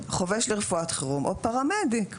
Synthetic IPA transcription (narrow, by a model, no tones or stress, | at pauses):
χoveʃleʁefuat̪χiʁumʔopaʁamed̪ik